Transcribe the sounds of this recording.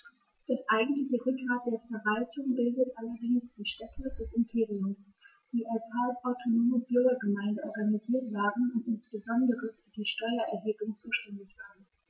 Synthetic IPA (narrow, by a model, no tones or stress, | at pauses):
d̥aʔaɪɡŋ̩tlɪçəʁʏk̚ɡ̥ʁaːt̚d̥eːɐfɛɐvaltʰʊŋbɪldətʔalɐdɪŋsd̥iːʃtɛtʰədɛsɪmpʰeːʁiʊms | d̥iːʔalshapʔaʊtʰonoːmʊnt̚b̥ʏɐɡɐɡəmaɪ̃ndəʔɔɐɡaniziːɐtv̥aːʁənʊntʔɪnsb̥əzɔndəʁəfyːɐdiːʃtɔʏɐʔɛɐɦeːblʊŋt͡suːʃtɛndɪçv̥aːʁən